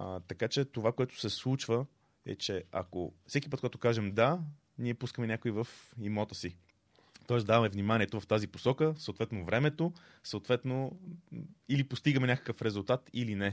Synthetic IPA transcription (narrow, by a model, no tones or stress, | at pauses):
t̪ɐkat͡ʃɛt̪ovakoɛt̪ʊ̥sɛslˠut͡ʃvə | ɛ̰t͡ʃɛa̰ko̰fsɛki̥pɤt̪koɡat̪o̥ʊkaʒɛmd̪a | niɛpuskəmɛnʲakoivəfimɔt̪əsi | t̪ɔɛsd̪avɐmɛvnimanʲiɛt̪ovɐft̪aziposɔkəsəoːt̪vɛt̪novɾɛmɛt̪o | səot̪vɛt̪no | ilipost̪iɡəmɛnʲakə̥kəfɾɛzulˠt̪at̪ilinɛ